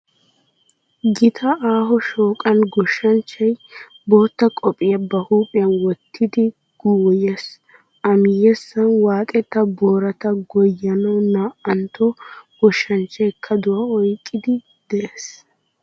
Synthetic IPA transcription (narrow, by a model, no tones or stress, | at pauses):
ɡɪt̪ʰɐʔaːɦɔʃoːkʼɐnɡɔʃːɐnt͡ʃːɐj | bo̞ːt̪ːɐkʼɔpʼɪjɐbɐhuːpʼɪjɐnwɔt̪ʰːɪd̪ɪ | ɡ̥uwjɛs | ʔɐmɪjɛsːɐnwaːt̪ʼɛt̪ːɐboːɾɐt̪ɐɡɔjːɐnɔnaːɐnt̪ɔɡ̥ɔʃːɐnt͡ʃːɛjkʰːɐd̪ʊwɐɔjkʼːɪd̪ɪ | d̪̥ɛʔeːs